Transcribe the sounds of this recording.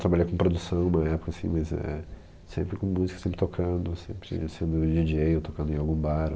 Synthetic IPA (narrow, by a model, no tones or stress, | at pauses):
t̪ɾabalʎejkõpɾod̪usɐ̃w̃nũmɐɛpʊ̥kɐasḭ̃mɐzɛ̰ | sẽmpɾɪkõmuzikɐsẽmpɾɪt̪okʰɐ̃d̪ʊsḛ̃mpɾɪ̰sẽnd̪ʊd͡ʒid͡ʒejot̪okɐ̃nd̪ẽawɡũbaɾ